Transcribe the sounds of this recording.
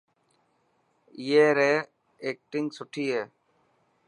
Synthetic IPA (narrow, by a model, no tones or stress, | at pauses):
ɪjeːɾeː | eːk̚ʈɪŋɡsʊʈʰiːɦeː